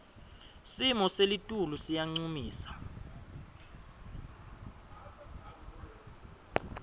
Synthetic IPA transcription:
simɔselitʼulusijaŋ͡ǀumiːsḁ

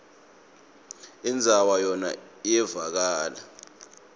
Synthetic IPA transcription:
ind͡zʱawajɔna̰ | ijɛvak̬aːla

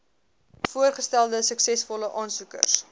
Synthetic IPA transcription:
fuərχəstælˠdəsəksɛsfɔləʔɑːnsukə̰rs

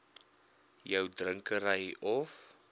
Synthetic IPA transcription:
jəwdrəŋkəɾəjɔf

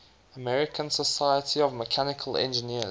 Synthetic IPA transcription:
əmɛɹɪkʰə̃nsəsaɪətʰiɔvməkʰanɪkʰəlɛ̰̃nd͡ʒəniə

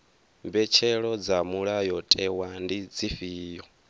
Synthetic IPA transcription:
mbɛt͡ʃʰɛɺɔd͡zamuɺajɔtʼɛwandid͡ziɸiːjɔ

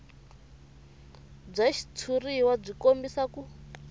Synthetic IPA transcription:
b͡ʐaʃi̥tʰuriwab͡ʐikombisaku

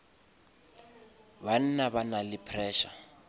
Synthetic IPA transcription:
ban̩naβanalɪpʰrɛːʃa

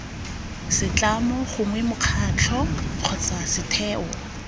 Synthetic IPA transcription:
sɪt͡ɬʼamɔχʊŋwɛmʊq͡χʰat͡ɬʰɔq͡χʰɔt͡sasɪtʰɛːɔ

